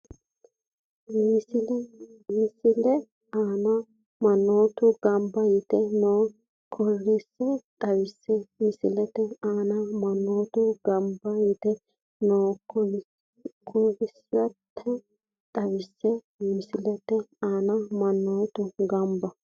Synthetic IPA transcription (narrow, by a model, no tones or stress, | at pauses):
mɪsɪmɪsɪlɛ | aːnɐ | mɐnːoːt̪ʊɡ̥ɐmbɐjɪt̪ɛnoː | kʰɔrːɪsːɛt̪ʼɐwɪsːɛmɪsɪlɛt̪ɛaːnɐmɐnːoːt̪ʊɡɐmbɐjɪt̪ɛ | noː | kʰɔrɪsɐtʰːɛ | t̪ʼɐwɪsːɛ | mɪsɪlɛt̪ɛaːnɐmɐnːoːt̪ʊɡɐmbɐ